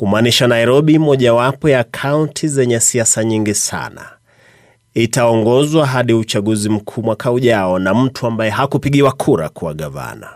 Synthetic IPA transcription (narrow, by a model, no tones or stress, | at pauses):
kumaːniʃanaiɾɔɓimɔʄawapɔjakʰauntʰizɛɲɛsiasaɲiŋɡisa̰na̰ | itaɔŋɡɔzwaɦaɗiut͡ʃaɠuzim̩kʰuːmwakauʄaɔnam̩tʰuambajɛɦakupiɠiwakʰuɾa̰kuwa̰ɠava̰na